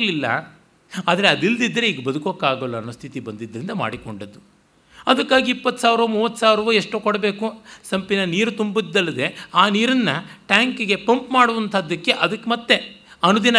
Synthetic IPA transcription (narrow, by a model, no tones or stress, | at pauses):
lilːɐ̰ | aːd̪ɐɾeɐd̪ild̪id̪ːɐɾeiːɡɐbɐd̪ukoːkaːɡɐlːɐɐnːost̪ʰit̪ibɐnd̪id̪ːɐɾind̪ɐma̰ːɽikoɳɖɐd̪ːu | ɐd̪ɐkːaːɡiːpːɐt̪ːsaːʋɾɐʋɐmuːʋɐt̪ːsaːʋɾɐʋɐeʂʈoːkɔɽɐbe̞ːkusɐmpinɐniːɾut̪umbid̪ːɐlːɐd̪e̞aːniːɾɐnːɐʈaːŋkiɡe̞pɐmpmaːɽuʋɐnt̪ʰɐd̪ːɐkːe̞ʔɐd̪ɐkːemɐt̪ːe̞ɐnud̪inɐ